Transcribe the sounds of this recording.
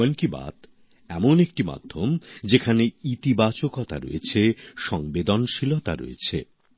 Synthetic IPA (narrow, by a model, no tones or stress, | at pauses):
onkiba̰t̪ | ɛmonek̚ʈima̰d̪ʱːomd͡ʑekʰaneit̪ibat͡ɕokɔt̪ʰa̰ɾo̰jet͡ɕʰeʃɔŋbed̪onʃilot̪a̰ɾo̰jḛt͡ɕʰe